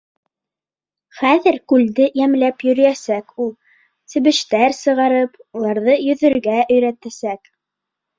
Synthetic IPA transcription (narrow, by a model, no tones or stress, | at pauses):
χæðɘɾkʉld̪ɘjæmlæpjɵ̆ɾɘ̆jæsækulˠ | sɘ̆βɘ̆ʃt̪æɾsɤ̆ʁɑɾɤpulˠɑɾðɤjɵ̆ðɵ̆ɾɡæʔɵ̆jɾæt̪æsæk